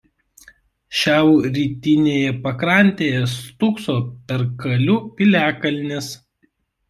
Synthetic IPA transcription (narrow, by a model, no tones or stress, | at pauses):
ʃʲæˑʊɾʲiːt̪ʲɪnʲeːjɛpɐkɾɐˑnʲt̪ʲeːjɛst̪ʊksoːpʲɛɾkɐlʲʊpʲɪlʲæːkɐlʲnʲes